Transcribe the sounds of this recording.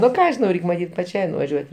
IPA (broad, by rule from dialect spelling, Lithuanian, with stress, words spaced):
nʊ ˈkɑː ʒʲɪˈnɐʊ ˈrʲɛɪkʲ mɐˈtʲiːt pɐˈt͡ʃʲɛɪ nʊʋɐˈʒʲuɔtʲ